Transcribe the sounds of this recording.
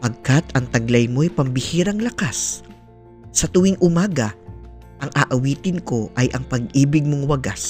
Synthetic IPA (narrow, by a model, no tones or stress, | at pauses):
pɐɡ̚kat̪ɐŋt̪ɐɡlɐjmo̞jpɐmbɪhiːɾɐŋlɐkas | ɐt̪ʊwɪŋʔʊmaːɡɐ | ʔɐŋʔaːʔɐwiːt̪ɪnko̞ʔɐjʔɐŋpɐɡ̚ʔiːbɪɡ̚moŋwɐɡas